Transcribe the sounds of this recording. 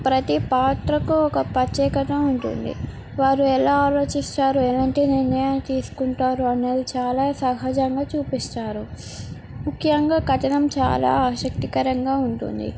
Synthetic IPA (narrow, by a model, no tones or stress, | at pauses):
pɾɐt̪ipaːt̪ɾɐkuɔkɐpɾɐt͡ʃjɛːkɐt̪ɐmuɳʈṵnd̪ḭ | ʋaːɾuɛlaːaːlo̞ːt͡ʃisʈ̪aːɾuɛlɐːɳʈiːniɾnɐjaːnt̪iːsu̥kuɳʈaːɾuɐneːd̪it͡ʃaːlaːsɐɦaːd͡ʒɐŋɡaːt͡ʃuːpisʈ̪aːɾu | mukʰjɐŋɡaːkɐʈɐnɐmt͡ʃa̰ːla̰ːaːʃɐk̚t̪ikɐɾɐŋɡaːuɳʈṵnd̪ḭ